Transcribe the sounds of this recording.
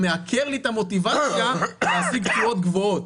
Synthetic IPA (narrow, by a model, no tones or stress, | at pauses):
meakʰeʁlit̪amo̞t̪ivat͡sjaleːsiɡtfuo̞t̪ɡvo̞ot̪